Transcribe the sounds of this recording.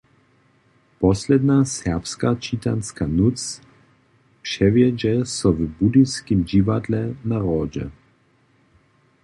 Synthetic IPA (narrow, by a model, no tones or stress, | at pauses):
pɔslɛd̪nasɛʁpskat͡ʃit̪anskanut͡s | pʃɛvjɛd͡ʒɛsɔvbud̪iskimʒivad̪lɛnaʁɔːd͡ʒɛ̰